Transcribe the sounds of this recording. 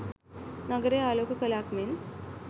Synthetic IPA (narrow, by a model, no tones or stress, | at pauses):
nɐɡɐɾeaːloːkɐkɐlaːkmeːn